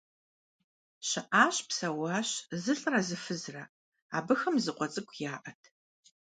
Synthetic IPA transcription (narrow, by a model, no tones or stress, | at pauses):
ɕɪʔaːɕpsɐwɑːɕzɨɬʼrɐzɨfɨzrɐ | a̰ːbɨxɐmzɨqʷɔt͡sʼɨkʷʰʼjaːʔɐtʰ